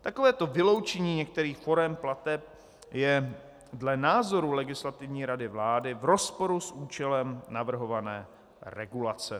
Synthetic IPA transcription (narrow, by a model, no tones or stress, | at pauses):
t̪akovɛːt̪o̞vɪlo̞wt͡ʃɛɲiːɲɛk̚t̪ɛɾiːxfo̞ɾɛmplat̪ɛp̚ | jɛ | dlɛnaːzo̞ɾulɛɡɪslat̪ɪvɲiːɾadɪvlaːdɪvɾo̞spo̞ɾusʔuːt͡ʃɛlɛmnavr̩ɦo̞vanɛː | ɾɛɡulat͡sɛ